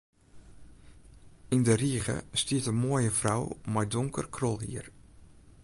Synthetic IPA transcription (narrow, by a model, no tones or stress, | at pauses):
ɪndəriəɣə̰stiətəmoəjəfrawmajdʊŋkə̰rkʰrɔlˠɦḭər